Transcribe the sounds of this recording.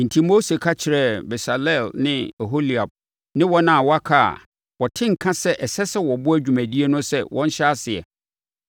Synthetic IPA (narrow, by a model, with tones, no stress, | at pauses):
n̩˨tʰi˦mo˦se˨kʰa˦t͡ɕʰɪ˨ɾɛ˦bɛ˨sa˨lɛ˦˨lnɪ̃˦ɛ˨ɦo˦li˨a˨b̚ | nɪ̃˦wɔ˦nã˦˨wɔ˦a˦kʰa˦a̰˨ | wɔ˨tʰɪ̃˦ŋ̩˨kʰã˦sɛ˦ʔɛ˨sɛ˦sɛ˦wɔ˨bʊ˦æ˦d͡ʑᶣu˨mæ̃˨di˦e˦nʊ̃˦sɛ̰˦wʔɔ̰̃˦n̩˦ɕɛ˦a˦sɪ˨ɛ̰˨